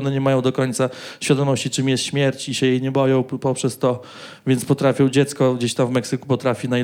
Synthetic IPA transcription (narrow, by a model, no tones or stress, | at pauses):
nɛɲɛmajɔ̃w̃d̪ɔkɔɲʲt̪saɕfʲjad̪ɔmɔɕt͡ɕit͡ʂɨmjɛst̪ɕmʲjɛɾt͡ɕiɕɛjɛjɲɛbɔjɔ̃w̃pɔpʂɛst̪ɔ | vʲjɛnspɔt̪ɾafʲjɔ̃w̃d͡ʑɛt̪skɔɡd͡ʑeɕt̪amvmɛksɘkupɔt̪ɾafʲina